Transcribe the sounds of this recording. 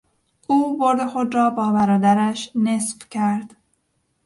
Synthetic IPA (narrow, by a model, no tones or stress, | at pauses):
ʔuːboɾd̪exod̪ɾɒːbɒːbæɾɒːd̪æɾæʃnesqcʰæɾd̪̥